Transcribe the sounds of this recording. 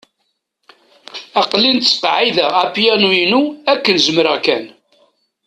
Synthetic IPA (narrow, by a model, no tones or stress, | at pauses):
ɑqlint̪t͡sːə̥qʕiðææpjæninuækːənzəmɾəʁkæn